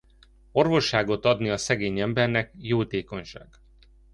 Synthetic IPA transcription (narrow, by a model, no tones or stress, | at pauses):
o̞rvo̞ʃːaːɡo̞t̪ɒd̪niɒsɛɡeːɲɛmbɛrnɛkjoːt̪eːko̞ɲʃa̰ːɡ̥